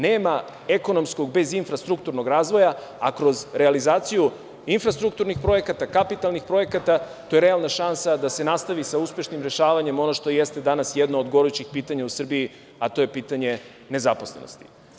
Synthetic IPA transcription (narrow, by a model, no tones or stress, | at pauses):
neːma | eko̞no̞msko̞ɡbe̞zinfɾast̪ɾukt̪uɾno̞ɡɾaːzʋo̞jaakɾo̞zɾealizaːt̪siju | infɾast̪ɾukt̪uɾnixpɾo̞je̞kat̪akapit̪alˠnixpɾo̞je̞kat̪a | t̪o̞jeɾe̞alˠnaʃansad̪ase̞nast̪aʋisauspe̞ʃnimɾe̞ʃaːʋaɲe̞mo̞no̞ʃt̪o̞jest̪ed̪anasjɛd̪noːd̪ɡo̞ɾujut͡ɕixpiːt̪aɲausr̩bii | at̪o̞jepiːt̪aɲe̞ | ne̞zapo̞sle̞no̞̰st̪i̥